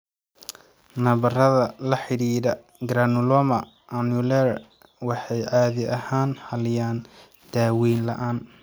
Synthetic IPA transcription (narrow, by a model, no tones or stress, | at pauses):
nɐβɐrɐðɐlɐħɪɾiːɾɐ | ɡɾanʊlɔmɐ | ʔɐnulɛɾ | wɑħɑjʕɑːðɪʔɐhaːnhɐlɪjaːn | d̪̥aːwiːnlɐʔaːn